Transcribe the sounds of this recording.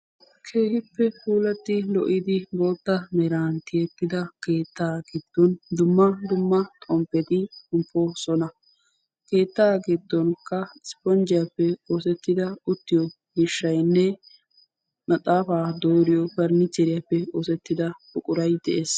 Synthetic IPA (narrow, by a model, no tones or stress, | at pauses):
kʰeːhɪpːɛpuːlɐt̪ːɪlɔ̰ʔɪd̪ɪbo̞ːt̪ːɐmɛɾaːnt̪ɪjɛt̪ːɪd̪ɐke̞ːt̪ːaːɡɪd̪̥ːɔnd̪ʊmːɐd̪ʊmːɐt̪ʼɔmpːɛt̪ɪʊmpːɔsɔnɐ | ke̞ːt̪ːaːɡɪd̪ːɔnkɐɪspɔnd͡ʒɪjapːɛo̞ːsɛt̪ːɪd̪ɐʊt̪ːɪjɔ | ɡɪʃːɐjnːɛ | mɐt̪ʼaːfaːd̪oːɾɪjɔbɐɾnɪt͡ʃːɛɾɪjapːɛoːsɛt̪ːɪd̪ɐbʊkʼʊɾɐjd̪ɛʔeːs